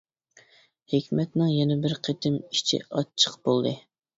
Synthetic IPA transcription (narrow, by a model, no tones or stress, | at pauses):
hekʲmɛt̪nɪŋjɛnɛbɪɾqʰet̪ʰɪmi̥t͡ʃʰḭʔɑt͡ʃʰːə̥qbolˠd̪ɨ